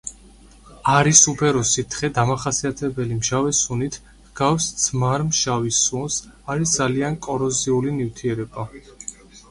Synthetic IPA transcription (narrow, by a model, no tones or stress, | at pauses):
aɾisupʰɛɾɔsit̪ʰχɛd̪amaχasiat̪ʰɛbɛlimʃavɛsunit̪ʰ | ɡafsd̪sʰmaɾmʃavisːuns | aɾisd̪zaliankʼɔɾɔziulinivt̪ʰiɛɾɛba